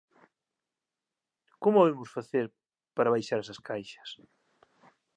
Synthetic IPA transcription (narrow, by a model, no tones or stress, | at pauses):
komoemʊsfaθeɾ | paɾaβajʃaɾesɐskʰajʃɐ̥s